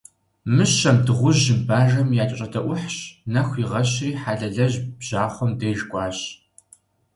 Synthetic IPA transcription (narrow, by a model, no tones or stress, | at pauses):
mɨɕːɐmdɨʁʷʊʑɪmbaːʒɐmjaːt͡ʃʼɕʼɐdɐʔʷʊħɕnɐxʷiːʁɐɕriːħaːɮɐɮɐʑbʑ̥aːχʷɔmdejʒkʷʼɑːɕ